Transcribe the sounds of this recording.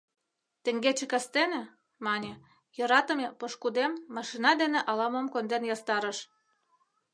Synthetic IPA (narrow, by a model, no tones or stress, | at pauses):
t̪ə̆ŋɡet͡ɕĕkɑst̪enĕ | mɑnʲĕ | jɤ̆ɾɑt̪əmepoʃkud̪emːɑʃinɑd̪enĕʔɑlɑmomkond̪enjɑst̪ɑɾə̆ʃ